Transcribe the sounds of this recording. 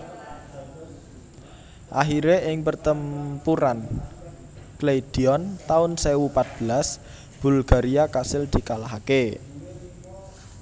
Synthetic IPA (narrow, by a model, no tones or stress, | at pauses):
ʔa̰ɦiɾeʔɪŋpərt̪əmpuɾan | kled̪̥i̤ɔnt̪aʊnsewupat̪̚b̥ə̤las | b̥ṳlɡ̥a̤ɾiakasɪld̪̥i̤kalaɦake